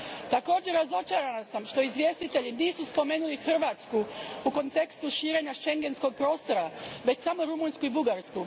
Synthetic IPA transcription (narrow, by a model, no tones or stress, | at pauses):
t̪ako̞ːd͡ʑe̞ɾːazo̞t͡ʃaɾanasamʃt̪o̞izʋʲje̞ːst̪it̪e̞ʎiniːsuspo̞me̞ːnulixr̩ʋaːt̪skuuko̞nt̪e̞kst̪uʃiːɾe̞ːɲaʃe̞ŋɡe̞nsko̞ɡ̚pɾo̞ːst̪o̞ɾaʋe̞t͡ɕsamo̞ɾumunskuibuɡaɾsku